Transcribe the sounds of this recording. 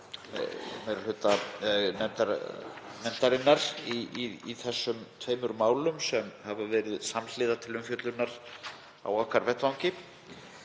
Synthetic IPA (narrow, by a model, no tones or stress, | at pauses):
mejɾalhʏt̪anɛt̪aɾmɛnt̪aɾɪnːaɾ̥iiiθɛsːʏmt̪ʰveːjmʏɾmaːwlʏmsɛmhavavɛːɾɪðsaml̥ɪːðat̪ʰɪlʏmfjœt̪lʏnːaɾ̥ | a̰wɔhkaɾvɛht̪vawŋcɪ